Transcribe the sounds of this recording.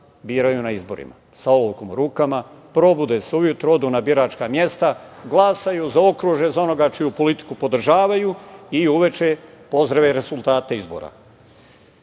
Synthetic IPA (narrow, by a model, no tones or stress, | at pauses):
biːɾajunaizbo̞ɾḭma̰ | saoloʋkomuɾuːkama | pɾo̞bud̪e̞seujut̪ɾo̞d̪unabiɾaːt͡ʃkamje̞st̪aɡlˠasajuzao̞kɾuʒje̞zao̞no̞ɡat͡ʃijupo̞lit̪i̥kupo̞d̪r̩ʒaːʋajuiuʋe̞t͡ʃe̞po̞zd̪ɾaʋe̞ɾe̞zulˠt̪aːt̪e̞izbo̰ːɾa̰